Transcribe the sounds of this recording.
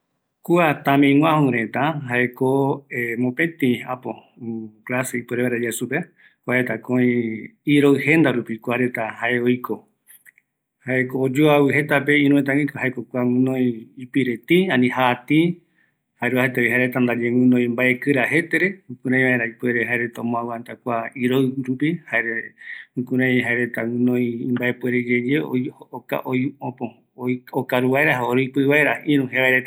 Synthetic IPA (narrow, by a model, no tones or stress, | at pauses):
kuat̪ãmẽj̃ŋʷwãhũɾet̪aɦaekoemõpẽt̪ĩapo | klaseipweɾeβaɾed͡ʒeesupe | kʷaet̪akõĩiɾo̞ɨhe̞nd̪aɾupikuaɾe̞t̪ahaeojkʰo | haekoːd͡ʒoawɨɦe̞t̪apeĩɾũet̪̬ãĩkhaekokʷuaɨ̃nõĩːpiɾet̪ĩãnĩhaːt̪ĩ | haeɾuahet̪eojɦaɾet̪and̪ad͡ʒewɨ̃nõj̃mbaʔekɨɾaɦe̞t̪eɾe̞ɨ̃kũɾãj̃βaeɾaipeɾeɦaeɾet̪õmõawɨãnt̪akʷaiɾojɾupihaeɾeɨ̃kũɾãj̃ɦaeɾet̪awɨ̃nõj̃mbaepweɾed͡ʒed͡ʒeooka̰ʔojõpõ | okaɾuβaeɾaɦaoɾoipɨβaeɾaĩɾũheβaeɾet̪a